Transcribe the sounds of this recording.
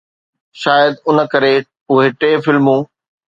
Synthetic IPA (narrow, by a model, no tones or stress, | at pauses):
ʃaːjəd̪ʊnə̆kɐɾe | ʊɦeʈeːfɪlmũː